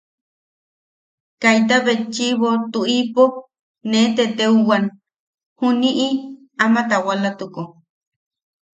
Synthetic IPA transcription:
kajt̪̬aβet͡ʃiβot̪uʔipo | net̪et̪euwan | huniʔi | amat̪awalat̪uko

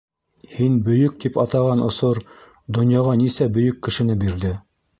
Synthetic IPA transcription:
hinbɵ̆jɵk̚t̪ipɑt̪ɑʁɑnŏsoɾ | d̪ŏnjɑʁɑnisæbɵ̆jɵkːɘ̆ʃɘ̆nɘbiɾðɘ

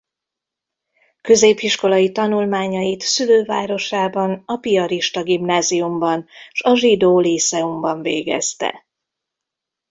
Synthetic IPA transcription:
kø̞zeːpiʃko̞lɒjit̪ɒnulmaːɲɒjit̪syløːvaːɾo̞ʃaːbɒnɒpiɒɾiʃt̪ɒɡimnaːziumbɒnʃɒʒid̪oːlisɛumbɒɱvḛːɡɛ̰st̪ɛ̰

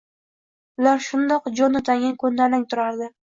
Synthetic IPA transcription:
ʊlaɾʃʊnd̪ɒqd͡ʒɒnot̪ʰaŋɡʲankʰonːalɪŋt̪ʰʊɾaɾd̪ɪ

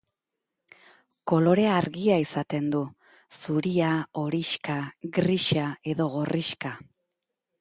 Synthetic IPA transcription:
ko̞lo̞ɾe̞aɾɣiaisat̪e̞nd̪u | suɾiao̞ɾiʃkaɣɾiʃae̞ðo̞ɣo̞riʃka

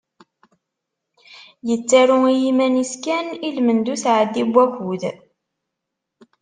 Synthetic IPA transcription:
jət͡sːæɾuijimæniskænilmənd̪uθʕəd̪ːibʷːækuð

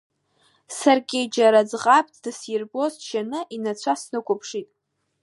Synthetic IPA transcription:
sarɡʲejd͡ʒaɾad͡zʁʼapʼtʰʼd̥ɨsjɪrbo̞zʒanɨʔinat͡sʷʰasnɨkʷʰʼʊpʰʂitʼ

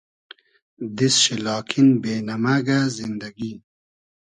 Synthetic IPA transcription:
d̪isɕilɑːkʰinbeːnamaɡazind̪aɡin

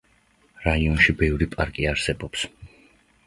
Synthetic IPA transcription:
ɾaiɔnʃibɛvɾipʼaɾkʼiaɾsɛbɔps

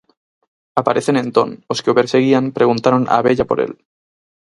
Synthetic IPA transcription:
apaɾʔe̞θe̞nẽ̞nt̪o̞̰no̞skeope̞ɾse̞ɣ̞iampɾe̞ɣ̞unt̪aɾonʔa̰βeʎapo̞̰ɾʔe̞̰l

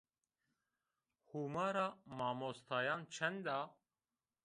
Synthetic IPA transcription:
humaːɾamɑːmost̪ʰɑːjɑːnt͡ʃʰɛnd̪a

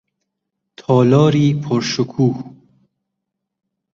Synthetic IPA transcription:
t̪ʰɔːlɔːɾiːpʰoɾʃʊkʰuːh

